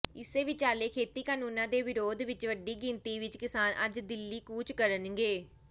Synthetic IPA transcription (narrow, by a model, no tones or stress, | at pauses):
ɪseːʋɪt͡ʃaːleːkʰeːt̪iːkaːnuːnãːd̪eːʋɪɾoːd̪ʋɪt͡ʃʋəɖiːɡɪ̃nt̪iːʋɪt͡ʃkɪsaːnʔəd͡ʒd̪ɪlːiːkuːt͡ʃkəɾənŋɡeː